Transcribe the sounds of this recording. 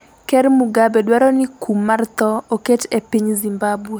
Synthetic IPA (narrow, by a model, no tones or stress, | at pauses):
kɛɾmuɡabɛdwaɾɔnɪkʰumːart̪ɔoketepiɲzimbabwe